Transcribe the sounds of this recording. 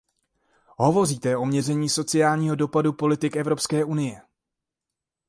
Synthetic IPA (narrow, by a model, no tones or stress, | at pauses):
ɦo̞vo̞riːt̪ɛo̞mɲɛrɛɲiːso̞t͡sɪjaːlɲiːɦo̞do̞padupo̞lɪt̪ɪkɛvɾo̞pskɛːʔunɪjɛ